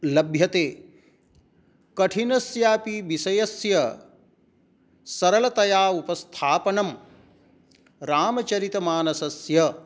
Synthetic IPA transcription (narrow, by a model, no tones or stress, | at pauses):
lɐbʱjɐt̪eː | kɐʈʰinɐsjaːpiʋisɐjɐsjɐ | sɐɾɐlɐt̪ɐjaːupɐst̪ʰaːpɐnɐm | ɾaːmɐt͡ʃɐɾit̪ɐmaːnɐsɐsjɐ